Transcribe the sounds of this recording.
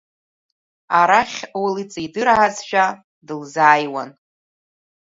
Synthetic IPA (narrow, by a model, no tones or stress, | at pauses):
aɾaχʲwelit͡sʼijdɨɾaʕazʃʷᶣa | dɨlzaːjwan